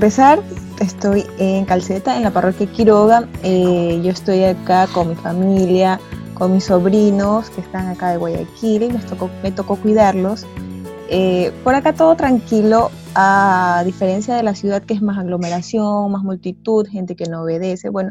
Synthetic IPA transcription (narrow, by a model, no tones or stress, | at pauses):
pe̞saɾ | est̪o̞jeŋkalse̞t̪aenlaparo̞kjakiɾoɣaeʝo̞est̪o̞jakako̞ŋmifamiljako̞nmisːo̞βɾino̞ske̞st̪aŋakaðeɣwaja̰kilimest̪okome̞t̪o̞kokwiðaɾlo̞s | epo̞ɾakat̪o̞ð̞ot̪ɾaŋkilo̞ | aðife̞ɾe̞nsjað̞e̞lasjuð̞að̚keezmasaɣlo̞meɾasjo̞ŋmazmult̪it̪uðxe̞nt̪e̞ke̞nooβe̞ðe̞se̞̰βwe̞no̞